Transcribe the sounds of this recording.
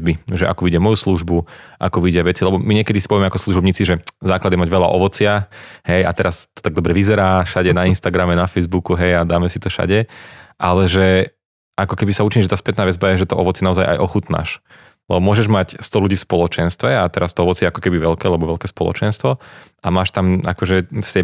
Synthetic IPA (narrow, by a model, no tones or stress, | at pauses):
biʒɛʔa̰kuʋiɟɪamɔjusluʒbuʔa̰kuʋiɟɪaʋɛt͡silɛbɔmiɲɛkɛd̪isipɔʋiɛmɛakɔslˠuʒɔbɲiːt͡siʒɛzaːklad̪jɛmaɟʋɛla̰ʔɔʋɔt͡sɪahɛja̰t̪ɛɾast̪ɔ̥t̪aɡ̚d̪ɔbɾɛʋizɛɾaːʃaɟɛnainst̪aɡɾamɛnafɛjzbukuɦɛjad̪aːmɛsit̪ɔʃa̰ɟɛʔalɛʒɛ | ʔakɔkɛbisauːt͡ʃiɲɛʒɛt̪aːspɛt̪naːʋɛd͡zbajɛʒɛt̪ɔʔɔʋɔt͡sɪɛnaɔzajʔa̰jʔɔxut̪na̰ʃ | lɛbɔmʊɔʒɛʒmacst̪ɔluɟiːfspɔlɔt͡ʃɛnst̪ʋɛat̪ɛɾast̪ɔɔʋɔt͡sɪɛakɔ̥kɛbiʋɛlkɛːlɛbɔʋɛlkɛːspɔlˠɔ̰t͡ʃɛnst̪ʋɔʔamaːʃt̪ama̰kɔʒɛft̪ɛ